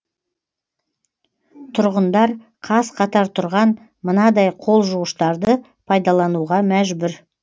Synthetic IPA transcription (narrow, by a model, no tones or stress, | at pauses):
t̪ʰʊɾʁənd̪ɑɾ | qʰɑsqʰɑt̪ɑɾt̪ʰʊɾʁɑn | mənɑd̪ɑjqʰo̞lˠʒuəʃt̪ɑɾd̪ə | pʰɑjd̪ɑlˠɑnuʁɑmæʒbʊɾ